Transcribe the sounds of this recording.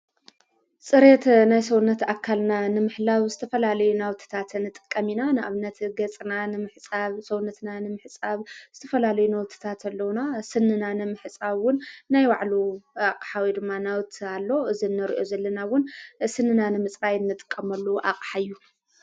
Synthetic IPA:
sʼɨɾet̪najsɐwnɐt̪akʰːalnanɨmɨħlaβzɨt̪ʰɐfɐlalɐjunawt̪ʰɨ̥t̪ʰat̪nːɨt̪ʼɨ̥kʼːɐminanɨʔaβnɐt̪ɡɐt͡sʼɨnanɨmɨħt͡sʼaβsɐwnːɐt̪nanɨmɨħt͡sʼaβz̥ɨt̪ʰɐfɐlalɐjunawt̪ʰi̥t̪ʰat̪ʰɐlːɐwnasɨnɨnanɨmɨħɨt͡sʼaβwʊnːajwaʕluaqʼħawid̪ɨmːanawt̪ʰalːo̞ɨzinːɐɾḭʔozɐlːɐnawʊnsɨnːɨnanɨmɨt͡sʼbajɨnːɨt̪ʼɨ̥kʼːɐmɐlːuʔa̰qʼħaɨjːu

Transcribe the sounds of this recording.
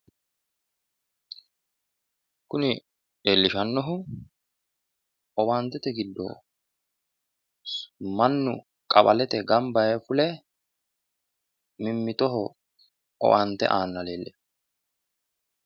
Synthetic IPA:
kʊnɪ | ɗeːlːɪʃɐnːɔɦʊ | ɔwant̪ːɛt̪ɛɡɪd̪ːɔ̰ | mɐnːʊ | kʼɐbɐlɛt̪ɛɡɐmbɐjɛfʊlɛ | mɪmːɪt̪ɔɦɔ | ɔ̰want̪ːɛ̰ʔaːnːɐleːlːʔɛ

